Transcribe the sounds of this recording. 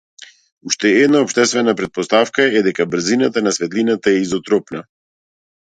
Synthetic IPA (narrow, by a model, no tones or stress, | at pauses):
uʃt̪ɛɛd̪naɔpʃt̪ɛst̪vɛnapɾɛt̪̚pɔst̪afkaɛd̪ɛkabr̩zinat̪anasvɛt̪linat̪aɛizɔt̪ɾɔpna